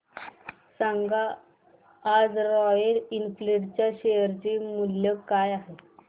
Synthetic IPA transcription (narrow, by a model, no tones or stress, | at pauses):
saŋɡaː | d͡zɾɔjəɽinfleɽt͡ɕjaɕejəɾt͡ɕiːmuljəkajaɦe